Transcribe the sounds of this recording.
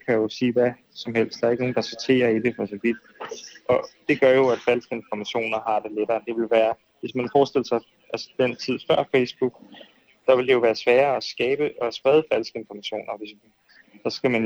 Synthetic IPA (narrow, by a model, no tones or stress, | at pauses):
kʰæjo̝siːʋæ | sɒ̽mɦel̰sd̥æɐe̝ɡ̥no̝ːn̩d̥ɑsɒt͡sʰe̝̰ːɐidefɒ̽sɒʋ̥id̥ | ʔɒ̽d̥e̝ɡ̥ɶɐjo̝æd̥fælsɡ̥əe̝nfɒmæɕo̝̰ːnɐɦɑ̈d̥e̝leɾ̥ɐːd̥e̝ʋe̝lʋæːɐ | ʋe̝smænfɒːsd̥e̝l̰sɑ̈ɪ | ʔælsə̥d̥en̰t͡sʰið̞̰ˠfɶɐ̰fesb̥uɡ̥ | d̥ɑ̈ʋe̝ld̥ejo̝ʋæːɐsʋæːɐːɒsɡ̥ɛːb̥əɒsb̥ʁɛð̞ˠəfælsɡ̥əe̝nfɒmæɕo̝̰ːnɐʋe̝smn | sɑsɡ̥æmæn